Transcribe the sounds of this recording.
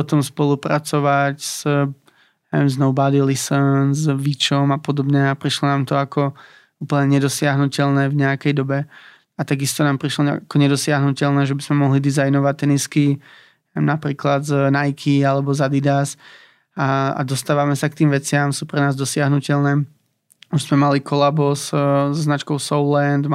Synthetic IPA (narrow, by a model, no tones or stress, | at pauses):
pɔt̪ɔmspɔlupɾat͡sɔʋacz̥ | ɛɛmznɔʊbad̪ilisənnzʋit͡ʃɔmapɔd̪ɔbɲɛapɾiʃlɔnaːmt̪ɔakɔ | uːpl̩ɲɛɲɛd̪ɔsɪaɦnucɛʎnɛːvɲɛakɛjd̪ɔbɛ | at̪aɡist̪ɔnaːmpɾiʃlɔ̰akɔɲɛd̪ɔsɪaɦnucɛlnɛːʒɛbizmɛmɔɦlid̪izajnɔʋac̚t̪ːɛniski | mnapɾiːklad̪znajkʰialɛbɔzad̪id̪as | aa̰d̪ɔst̪aːʋamɛsak̚t̪iːmʋɛt͡sɪamsuːpɾɛnaːzd̪ɔsɪaɦnucɛlnɛː | uzmɛmalikʰɔlabɔzzɔznat͡ʃkɔʊsɔʊlɛnd̪